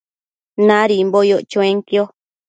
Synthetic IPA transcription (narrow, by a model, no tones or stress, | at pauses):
nãɾimbojoʔt͡ʃõẽŋkio